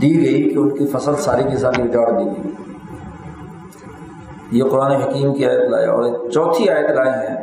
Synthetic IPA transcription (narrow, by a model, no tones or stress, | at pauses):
d̪iːɡɐikeʊnkifɐsəlsaːɾikisaːɾibɪd͡ʒaːt̪d̪iːɡəi | jeqʊɾaːneɦɐkiːmkiaːjət̪la̰ːj̰ɔ̰ːɾet͡ʃɔːt̪ʰiaːjət̪laːeɦɛ̃ː